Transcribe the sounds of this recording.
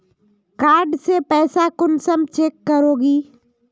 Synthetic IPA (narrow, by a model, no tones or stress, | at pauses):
kaːɾɖsepɛːsakʊnsəmt͡ʃeːkːəɾoːɡiː